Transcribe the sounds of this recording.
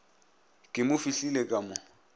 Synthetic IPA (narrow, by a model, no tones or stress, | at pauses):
kʼɪmʊfiɬilekʼamʊ